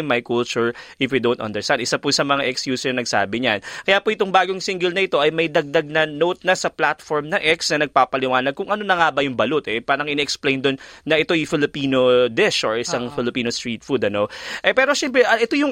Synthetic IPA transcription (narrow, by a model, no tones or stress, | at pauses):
mːɐjkult͡ʃʊɹʔɪfjud̪ont̪ʔɐ̰nd̪ɛɹst̪and̪ʔɪsapʊsɐmɐŋaʔɛkskjuːsɛɹnɐɡ̚sa̰ːbɪɲankɐjaːpoʔɪt̪oŋbaːɡoŋsɪŋɡɛlnɐʔɪt̪o̞ʔɐjmɐjd̪ɐɡ̚d̪ɐɡ̚nɐnot̪̚nɐsɐplat̪foɹmnɐŋʔɛksnɐnɐɡ̚paːpɐlɪwaːnɐɡ̚kʊŋʔɐnonɐŋaːbɐjʊŋbɐlot̪ʔɛpaːɾɐŋʔɪnɛʔɛksplejnd̪o̞nːɐʔɪt̪o̞jfɪlɪpiːnod̪ɛʃʔoɹʔɪsaŋfɪlɪpiːnost̪ɹiːt̪fud̪ɐno̞ʔɛpɛːɾo̞ʃɛmpɾɛʔɐʔɛt̪ojʊŋ